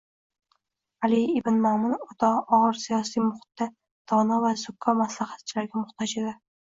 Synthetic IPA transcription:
alɪɪbɪnmɒmɪnɒt̪ʰɒɒʁɨɾsijɒsijmʊχʊ̥t̪ːa | d̪̥ɒnavazʊkʰːɒmaslaχat̪̚t͡ʃʰɪlaɾɡʲamʊχt̪ʰɒd͡ʒed̪ɪ

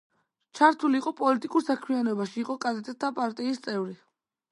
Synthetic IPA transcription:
t͡ʃʰaɾt̪ʰuliːqʼɔpʼɔlit̪ʼikʼuɾsakʰmianɔbaʃiːqʼɔkʼazɛt̪ʼɛt̪̚ʰːapʼaɾt̪ʼiːst̪sʼɛvɾi

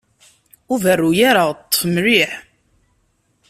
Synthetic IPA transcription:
uvərːujaɾat̪ˤːfəmɾiħ

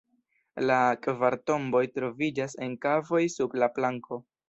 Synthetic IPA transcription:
lakvaɾto̞mbo̞jtɾo̞vid͡ʒase̞nkavo̞jsublaplaŋko̞

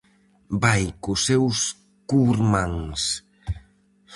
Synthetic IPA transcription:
bajkʊsews | kuɾmãŋs

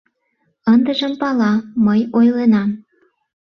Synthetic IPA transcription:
ənd̪əʒəmpɑlɑməjojlenɑm

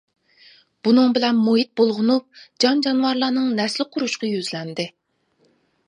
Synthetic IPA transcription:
b̥unɨŋbɪlɛnmoɦit̪̚bolˠʁʊnup̚d͡ʒɑnd͡ʒɑnwɑɾlˠɑnɨŋnɛslɪqʰʊɾuʃqʰɑjøzlɛnd̪ɪ

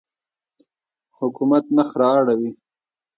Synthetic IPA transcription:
hʊkumat̪̚naxɾɑːɽawi

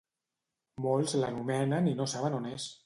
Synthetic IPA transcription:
molˠzləɣumɛnəninosaβənones

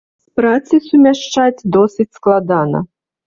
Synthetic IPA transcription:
spɾat̪sɨsumʲaʂt͡ʂad͡zʲd̪ɔsʲɨt͡sʲsklˠad̪anɐ̰

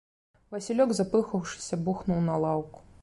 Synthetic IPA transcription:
vɐsʲilʲɔɡzapɨxɐwʂɨ̥sʲɐbuxnuwnɐlˠawku̥

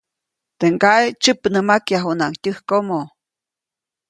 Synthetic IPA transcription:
t̪eŋkaet͡ʃɨpnɨmakjaɦunaŋtʲɨhkomo

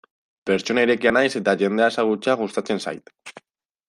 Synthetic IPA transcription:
pe̞ɾt͡ʃo̞naiɾe̞kianajse̞t̪aʝe̞nd̪e̞ae̞saɣ̞ut͡seaɣ̞ust̪at͡se̞nsa̰jt̪

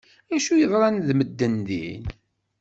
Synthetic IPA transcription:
æʃujəðˤɾˤɑnðməd̪ːənðḭn

